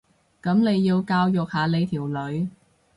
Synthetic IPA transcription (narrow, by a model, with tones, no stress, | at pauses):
kɐ˨˥mne˨˧jːiː˧wkaː˧wjʊ˨k̚haː˨˧le˨˧jt̪ʰiː˨˩wlɵ˨˧˥ɥ